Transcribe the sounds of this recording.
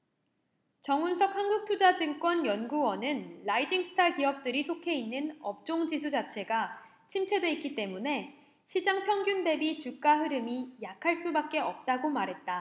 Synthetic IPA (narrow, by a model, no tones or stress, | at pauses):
t͡ɕʌŋunsʰʌk̚hanɡuk̚tʰud͡ʑad͡ʑɯŋk͈wʌnjʌnɡuwʌnɯnlaid͡ʑiŋsʰɯ̥tʰakiʌp̚t͈ɯɾisʰokʰe̞inːɯnʌp̚t͡ɕ͈oŋd͡ʑisʰud͡ʑat͡ɕʰe̞ɡa | t͡ɕʰimt͡ɕʰedwe̞ik͈it͈e̞mune̞ | ɕʰid͡ʑaŋpʰjʌŋɡjunde̞bit͡ɕuk̚k͈aɦɯɾɯmijakʰaɭs͈ubak̚k͈e̞ʌp̚t͈aɡomaɾɦe̞t̚t͈a